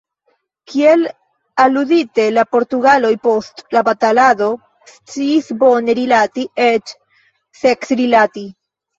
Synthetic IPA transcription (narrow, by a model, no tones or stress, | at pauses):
kʰie̞l | aludite̞lapo̞ɾtuɡalo̞jpo̞stlabatalado̞ | st͡siːsbo̞ne̞ɾilatiet͡ʃ | se̞ksɾilati